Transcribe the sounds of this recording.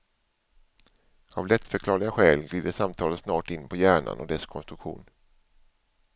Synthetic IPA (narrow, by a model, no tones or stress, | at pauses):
avlɛt̪ːfœɾkʰlɑːɭɪɡaɧɛːlɡliːd̪əʂamt̪ʰɑːlət̪snɑːʈɪnːpʰɔjæːɳa̰nɔ̰d̪ɛskʰɔnst̪ɾɵkɧṵːn